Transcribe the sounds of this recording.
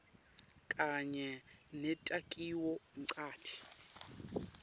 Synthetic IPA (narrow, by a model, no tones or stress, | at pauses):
kʼaɲɛnɛtʼakʼiwɔǀʰʼaːtʰi̥